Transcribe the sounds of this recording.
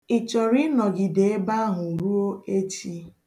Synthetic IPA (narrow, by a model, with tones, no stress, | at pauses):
ɪ˨t͡ʃɔ˨ɾɪ˦nɔ˨ɡɪ˨de˨e˦ba˦ɦʊ˨u˨ɾu˦o˦e˦t͡ʃi˦